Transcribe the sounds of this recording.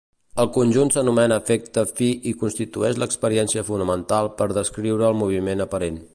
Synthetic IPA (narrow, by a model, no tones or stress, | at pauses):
əlˠkunʲʒunt̪sənumɛnəːfek̚t̪əfiʔikunst̪it̪uɛʃləkspəɾiɛnsiəfunəmənt̪alˠpəɾðəskɾiwɾəːlˠmuβ̞imenəpəɾen